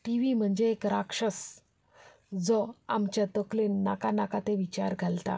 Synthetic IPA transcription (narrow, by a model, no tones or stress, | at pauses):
ʈiʋim̤əɳd͡ʑeːkɾakʂəs | d͡zɔamt͡ɕjat̪əklenːakanakat̪eʋit͡ɕaɾɡʱalt̪a̰